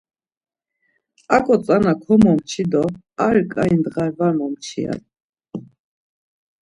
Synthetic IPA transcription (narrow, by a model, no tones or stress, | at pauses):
akʼɔt͡sʼanakʰɔmɔmt͡ʃʰid̪ɔ | aɾikʼaind̪ʁaɛvamɔmt͡ʃʰḭa̰n